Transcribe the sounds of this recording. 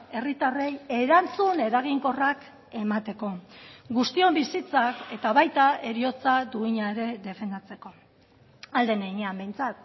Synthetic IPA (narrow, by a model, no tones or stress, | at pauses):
e̞rit̪are̞je̞ɾant͡sune̞ɾaɣ̞iŋko̞rak | e̞mat̪e̞ko̞ɡust̪io̞mbisit͡sake̞t̪aβajt̪ae̞ɾio̞t͡sad̪uiɲaeɾe̞ðe̞fe̞nd̪at͡se̞ko̞ | ald̪e̞neiɲeambe̞jnt͡sat̪̚